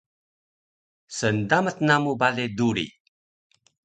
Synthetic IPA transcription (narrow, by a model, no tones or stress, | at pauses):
səndamət̪namubaleduɾḭ